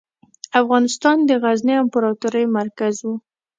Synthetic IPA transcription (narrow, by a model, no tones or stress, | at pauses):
afɣɑnɪst̪ɑnd̪əɣaznəampaɾɑt̪uɾəjmaɾkazwu